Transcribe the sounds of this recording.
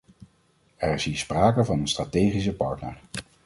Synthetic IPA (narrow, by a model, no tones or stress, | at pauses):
ɛɹɪsɦiːɹspraːkəvɑnənstratejχis̬əpɑɹtnə̰ɹ